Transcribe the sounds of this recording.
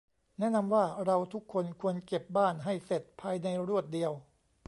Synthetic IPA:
nɛ˦˥ʔna˧mwaː˥˩ɾa˧wt̪ʰu˦˥kʰːo˧nkʰu˧ənke˨˩p̚baː˥˩nɦa˥˩jse˨˩t̪̚pʰaː˧jna˧jɾu˥˩ət̪̚di˧əw

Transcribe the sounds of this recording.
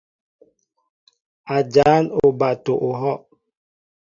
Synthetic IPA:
a˨d͡ʒa˨˦no˨ba˨to˨ʔo˨ɦɔ˦ʔ

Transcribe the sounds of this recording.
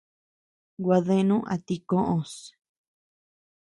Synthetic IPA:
ɡwa˧ðẽ˦˧nũ˦ʔa̰˨t̪i˧kõ˦ʔõ˧˨s

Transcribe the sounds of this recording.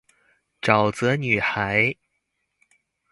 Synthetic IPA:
ʈ͡ʂɑ˨˩ʊt͡sɤ˧˥ny˨˩xa˧˥ɪ

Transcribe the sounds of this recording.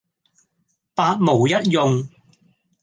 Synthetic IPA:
paː˧t̚mo˨˩wjɐ˥t̚jʊ˨ŋ

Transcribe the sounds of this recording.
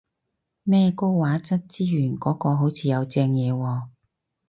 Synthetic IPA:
mɛː˥˧ko˥wwaː˨˥t͡sɐ˥t̚t͡siː˥ɥyː˨˩nkɔː˨˥kɔː˧ɦo˨˥wt͡sʰiː˨˧jɐ˨˧wt͡sɛː˧ŋjɛː˨˧wɔː˧

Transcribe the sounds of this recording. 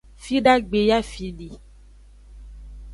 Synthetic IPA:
fi˦ɖa˦ɡ͡be˨ja˦fi˨ɖi˨

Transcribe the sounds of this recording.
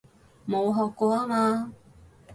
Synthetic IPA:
mo˨˧wɦɔː˨kːɔː˧a˥ŋaː˧

